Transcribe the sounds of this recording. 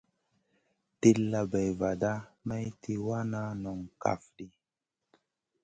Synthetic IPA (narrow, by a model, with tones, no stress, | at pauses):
ti˦lːa˨bɛ˨jva˨da˦ma˦jtʰi˦wa˦na˦nɔ˨ŋka̰˨fdi˦